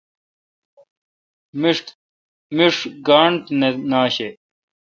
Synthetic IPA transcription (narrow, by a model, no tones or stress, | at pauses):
miʂʈ̪ | miʂɡaːɳʈnenaːɕe